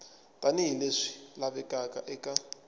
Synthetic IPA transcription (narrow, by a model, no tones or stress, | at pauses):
tʼaniɦileʂi̥laβɛkʼakʼaʔɛkʼa